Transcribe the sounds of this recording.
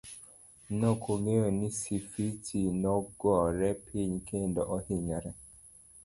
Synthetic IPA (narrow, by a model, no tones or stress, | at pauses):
nɔkʰoŋejonisifitʰinɔɡɔɾɛpʰiɲkʰendɔʔɔhiɲaɾɛ